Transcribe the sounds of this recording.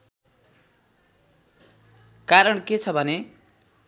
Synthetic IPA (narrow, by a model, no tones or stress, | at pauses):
kaɾʌɳket͡sʰʌbʱʌne